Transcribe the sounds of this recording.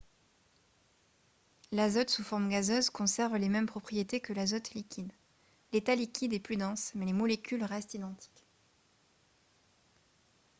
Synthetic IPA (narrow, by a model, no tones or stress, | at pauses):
lazɔt̪sufɔʁmɡazøzkɔ̃sɛʁvlemɛmpχɔpχijet̪ekəlazɔt̪likʲid̪ | let̪alikʲid̪ɛplyd̪ɑ̃smɛlemɔlekʲylʁɛst̪id̪ɑ̃t̪ʰi̥kʲ